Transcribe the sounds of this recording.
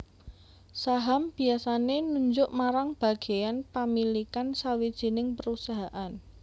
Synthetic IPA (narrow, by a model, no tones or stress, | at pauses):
saɦamb̥i̤asanenuɲd͡ʒʊʔmaɾaŋb̥a̤ɡ̥e̤janpamilikansawid̥ʒ̥i̤nɪŋpəɾusaɦaʔan